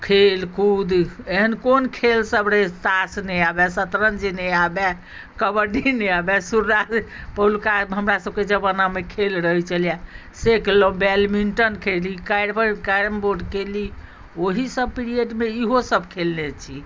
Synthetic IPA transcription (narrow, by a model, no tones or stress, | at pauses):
kʰelkud̪eɦənkonkʰelsəbɾət̪asnɛabɛsət̪ɾənd͡ʒinɛabɛ | kəbəɖineabɛsuɾːad͡ʒpəlkaɦəmɾasəb̚ked͡ʒəbənamekʰelɾəɦt͡ʃəlija | sekelobɛlmiɳʈənkʰelikajɽbəkaɾmboɾɖkeli | oɦisəb̚piɾieʈmeiɦosəbkʰelnet͡ʃʰi